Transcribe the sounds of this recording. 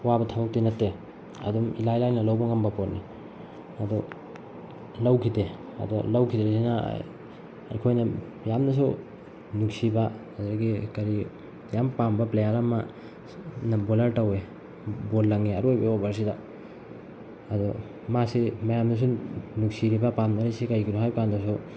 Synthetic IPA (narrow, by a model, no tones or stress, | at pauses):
wabɐtʰabɐk̚tinɐtːe | ɐ̰dumilajlajnɐlawbɐŋɐmbɐpot̚ni | ɐdɔ | lɐwkʰideɐ̰dɔlawkʰidesina̰ | ɐ̰ɾkʰojnɐ | jamnɐs̬u | nuksiba | dɾaɡikɐɾi | jampambɐplejaɾama | nɐbolɐɾtɐwe | botlɐŋeaɾojbaobaɾs̬ida | ɐdɔ | masimɐjamdus̬unuksiɾibapamnɐɾajsikajkinuɦajkandasu